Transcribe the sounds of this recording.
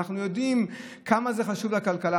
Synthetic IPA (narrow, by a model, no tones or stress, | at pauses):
aχnujo̞d̪im | kamazeχaʃuvlakalkala